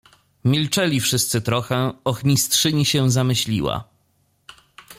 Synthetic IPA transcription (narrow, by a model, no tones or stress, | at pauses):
mʲilt͡ʂɛlʲifʂɘst̪sɘt̪ɾɔxɛɔxɲistʂɘɲiɕɛ̃zamɘɕlʲḭwa̰